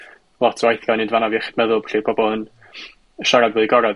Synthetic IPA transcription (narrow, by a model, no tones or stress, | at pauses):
lˠɔtʰwajθjɔnɪndvanaviχɪd̥mɛðʊlˠbɬibɔbɔən | əʃaɾadvʊːðiɡɔɾɛd